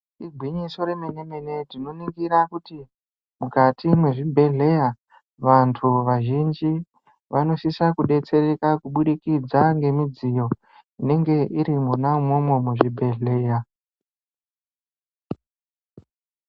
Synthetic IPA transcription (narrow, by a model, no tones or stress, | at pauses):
iɡʱwiɲiso̞ɾe̞mene̞me̞ne̞dinoniɡiɾakuti | mukatimweʐibʱe̞ɮe̞ja | ʋantʰuʋaʒind͡ʒi | ʋano̞sisakuɗe̞t͡se̞re̞kakuɓuɗikid͡zaŋɡe̞mid͡zijo̞ | ine̞ŋɡe̞ʔiɾimunaumo̞mwo̞muʐibʱe̞ɮe̞ːja